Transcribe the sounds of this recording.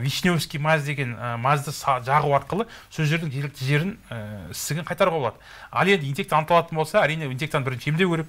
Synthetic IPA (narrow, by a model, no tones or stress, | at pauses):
viʃnewskʲijmæzd̪e̞ɡʲe̞nmɑzd̪ɪsɑʒɑʁuwɑɾqəlˠə | sɵzʒe̞ɾd̪ɪŋʒe̞lɪkt̪ɪʒe̞ɾɪnəɪst̪ɪɡʲɪɴqʰɑjt̪ɑɾuʁɑbolˠɑd̪ə | ɑ̰lˠe̞nd̪ɪinʲek̚t̪ɑnət̪ɑlˠɑt̪ənbo̞lˠsɑæɾijne̞inʲe̞kt̪anbɪɾɪnʃɪemd̪ewkʰʲeɾep